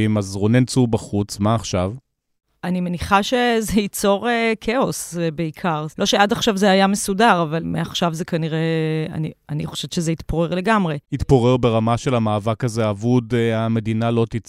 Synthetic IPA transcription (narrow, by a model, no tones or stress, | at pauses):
imazʁonent͡subaχut͡smaːχʃav | anime̞niχaʃe̞zeit͡so̞ʁekʰeo̞sbeikʰaʁlʔo̞ʃeadaχʃavzeajame̞sudaʁavalmeaχʃavzekaniʁe̞a̰nianiχo̞ʃevt͡ʃezeit̪poʁe̞ʁle̞ɡamʁeit̪poʁeʁbe̞ʁamaʃe̞lamaːvakazeavud̪ame̞d̪inalo̞t̪it͡s